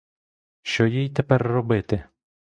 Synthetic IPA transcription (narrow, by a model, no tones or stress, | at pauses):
ʃt͡ʃɔjijt̪ɛpɛrːɔbɪt̪ɪ